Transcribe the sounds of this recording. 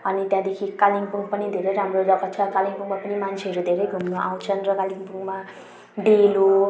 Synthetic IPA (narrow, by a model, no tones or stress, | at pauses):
ʌnit̪jãd̪ekʰikaliŋpuŋɡpʌnid̪ʱeɾʌjɾamrodʌkʌt̪̚t͡sʰʌkaliŋpuŋɡmapʌnimant͡sʰeɦʌɾud̪ʱeɾʌjɡʱumnoʔa̰w̃t͡sʰʌnrʌkaliŋpuŋɡma | ɖelo